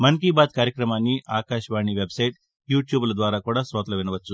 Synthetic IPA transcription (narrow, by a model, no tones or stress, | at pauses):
mɐŋk̬iːbaːt̪kaːɾjɐkɾɐmaːnːiʔaːkaːʃʋaːɳiʋebsɐjʈ | juːʈjuːblɐd̪ʋaːɾaːkuːɽaːsʋɐːt̪lɐʋinɐʋɐt͡ʃːu